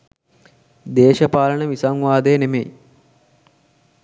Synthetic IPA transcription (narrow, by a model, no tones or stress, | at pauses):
d̪eːʃəpaːlənəʋisaŋʋaːd̪əjənemḛj